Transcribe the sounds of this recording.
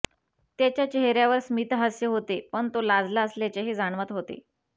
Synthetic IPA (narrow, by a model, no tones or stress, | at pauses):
t̪jat͡ɕjat͡ɕeɦɾjaʋəɾsmiːt̪ɦəsjəɦot̪epəɳt̪olad͡zlaəsljat͡ɕeɦed͡zaɳ̃ʋət̪ɦot̪ḛ